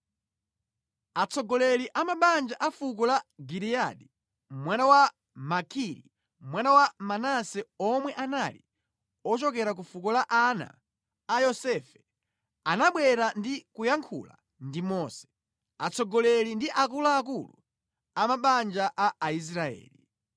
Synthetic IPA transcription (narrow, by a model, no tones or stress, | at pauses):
at͡sɔɡɔlɛliʔamaɓand͡ʒaʔafukɔlaɡiɾia̰ɗi | mwanawa | makʰiɾḭ | mwanawamanasɛɔmwɛʔanalḭ | ɔt͡ʃɔkɛɾak̬ufukɔlaʔana̰ː | jɔsɛfɛ | anaɓwɛɾandikujaŋkʰṵla̰ | ndimɔːsɛ̥ | at͡sɔɡɔlɛlindiʔakulaːkulṵ | amaɓand͡ʒaʔaːis̬ɾaɛ̰ːli